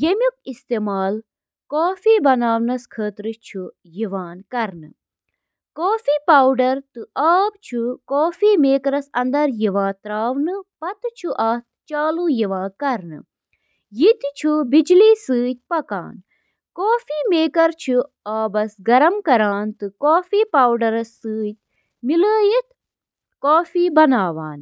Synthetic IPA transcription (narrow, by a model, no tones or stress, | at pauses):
jemʲjuk̚ist̪eːmaːl | koːfiːbɐnaːʋnɐskʰəːt̪ɾɨt͡ʃʰu | jiʋaːnkɐɾnɨ̰ | koːfiːpaːwɖɐɾt̪ɨʔaːb̚t͡ʃʰukoːfiːmeːkɾɐsɐnd̪ɐɾjiʋãːt̪ɾaːʋnɨpɐt̪t͡ʃʰuʔat̪̚t͡ʃaːlujiʋãːkɐɾnɨ̰ | jit̪t͡ʃʰubid͡ʒliːsɨːt̪̚ʲpɐka̰ːn | koːfiːmeːkɐɾt͡ʃʰu | aːbɐsɡɐɾɐmkɐɾaːnt̪ɨkoːfiːpaːwɖɐɾɐsːɨːt̪̚ʲ | miləːjit̪̚ʰ | koːfiːbɐnaːʋa̰ːn